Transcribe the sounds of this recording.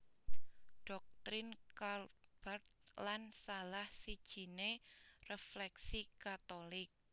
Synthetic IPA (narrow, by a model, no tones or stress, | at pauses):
ɖ̥ɔk̚t̪ɾɪnkarb̥art̪̚lansalahsid̥ʒ̥i̤nereflɛksikat̪olɪk̚